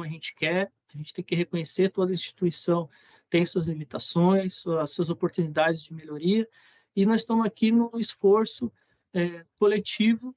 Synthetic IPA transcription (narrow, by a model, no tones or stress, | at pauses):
ɐʒẽnt͡ʃɪ̥kɛɾ | ɐʒẽnt͡ʃɪ̥t̪ẽj̃kɪɦekõɲeset̪od̪ɐĩst͡ʃi̥t̪uisɐ̃w̃ | t̪ẽj̃suɐzlimit̪asõj̃suɐsuɐzopoɾt̪unid̪ad͡ʒɪzd͡ʒɪmeʎoɾiɐ | ɪnɔzɪst̪ɐ̃mʊzakinũisfoɾsʊ | ɛkolet͡ʃivʊ